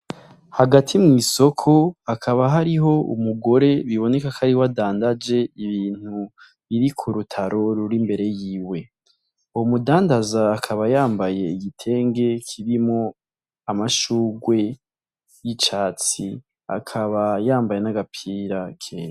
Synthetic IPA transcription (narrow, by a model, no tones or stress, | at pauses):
haɡatʰimŋiːso̞kʰo̞akʰaβaɦaɾiɦo̞ṵmuɡo̞ɾe̞βiβo̞ne̞kakʰaɾihowadaːndad͡ʒe̞iβiːn̥hu | βiɾikʰuɾutʰaɾʔo̞ɾuɾimbe̞ɾe̞jiːwe̞ | uwomudaːndazaːkʰaβajaːmbaje̞iɡitʰe̞ːŋɡe̞kʰiβimŋo | amaʃuːɡwe̞ | jit͡ʃaːt͡si | a̰kʰaβajaːmbaje̞naɡapʰiːɾakʰeːɾa